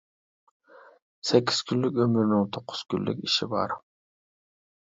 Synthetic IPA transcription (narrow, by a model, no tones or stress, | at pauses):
sekʲːɪz̥kʲʰynlːykʲɵmyɾnyŋt̪ʰoqʰːʊ̥z̥kʲʰylːy̰kʲɪʃɪbɑ̰ɾ